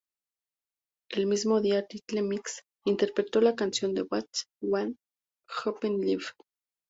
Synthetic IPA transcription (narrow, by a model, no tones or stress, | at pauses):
elmizmoðiat̪it͡ɬt͡ɬemiks | int̪eɾpɾet̪olakansjond̪ewat͡swan | xapenlif